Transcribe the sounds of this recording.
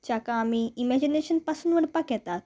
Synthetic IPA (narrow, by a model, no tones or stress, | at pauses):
t͡ɕjakãːmiːimɛd͡ʑineɕənpasunʋəɽpakjɛt̪at̪̚